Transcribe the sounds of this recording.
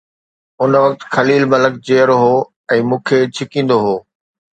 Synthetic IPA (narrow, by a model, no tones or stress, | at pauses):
ʊnʋɐk̚t̪xɐliːlmɐlək̚d͡ʑeːəɾɦoː | ɛ̃ːmũːkʰeːt͡ɕʰɪkĩːn̆d̪oɦoː